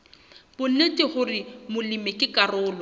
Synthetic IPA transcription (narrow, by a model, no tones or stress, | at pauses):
bʊnetʼɪχʊrɪmʊlimɪkʼɪkʼarʊːlɔ